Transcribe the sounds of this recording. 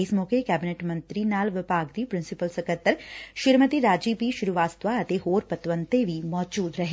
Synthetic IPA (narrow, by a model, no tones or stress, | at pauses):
ɪsmɔːkekɛːbɪneʈmɐ̃nt̪ɾinaːlʋɪpaːɡd̪iːpɾɪ̃nsɪpəlsɐkət̪ːəɾʃɪɾmət̪iɾaːd͡ʒiːpiʃʊɾuʋaːst̪ʋaɐt̪eɦoːɾpɐt̪ʋə̃nt̪eʋʱimɔːd͡ʒuːd̪ɾɐɦe